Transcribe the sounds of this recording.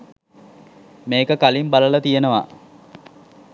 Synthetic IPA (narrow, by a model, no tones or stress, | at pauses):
meːkəkalimbaləlat̪ijenəʋa̰